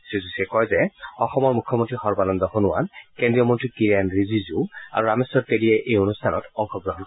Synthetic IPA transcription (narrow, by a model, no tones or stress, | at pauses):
sizusɛkɔjzɛɔxɔmɔɹmukʰːɔmontɹixɔɹbalɔnzɔhɔnuwa̰nkendɹijɔmɔntɹikiɹianɹizizua̰ɹuɹamesɔɹpeliɛʔejonustʰanɔtɔŋxɔɡɹɔɦɔnk